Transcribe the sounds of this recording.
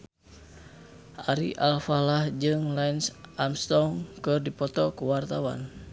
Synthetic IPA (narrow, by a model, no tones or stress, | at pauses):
ʔaɾḭʔalfalahd͡ʒɨŋlainsʔamst̪ɔŋkɨrdipɔt̪ɔkuwart̪awa̰n